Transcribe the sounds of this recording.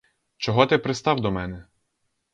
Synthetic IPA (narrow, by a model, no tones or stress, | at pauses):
t͡ʃɔɦɔt̪ɪpɾɪst̪ɑwd̪ɔmɛnɛ